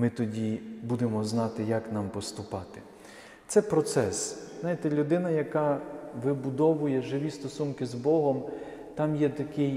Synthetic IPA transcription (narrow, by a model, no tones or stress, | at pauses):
mɪt̪ɔdʲibud̪emɔznɑt̪ɪjɐknɑmpɔst̪ʊpɑt̪ɪ | t̪sɛpɾɔt̪sɛsznɑjɪt̪ɛlʲud̪ɪnɐjɐkɑʋɪbʊd̪ɔʋʊjɛʒɪʋʲist̪ɔsunkɪzbɔɦɔm | t̪ɑmjɛt̪ɐkɪj